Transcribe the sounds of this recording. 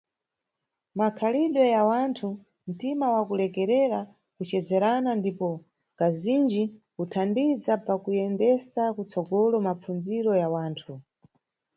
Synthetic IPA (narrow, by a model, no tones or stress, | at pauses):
makʰaliɗɔjawantʰu | n̩timawakulɛkɛɾɛɾa | kut͡ʃɛzɛɾanandipɔ | kazind͡ʒikutʰandizapakujɛndɛsakut͡sɔɡɔlɔmap͡fund͡ziɾɔjawaːntʰu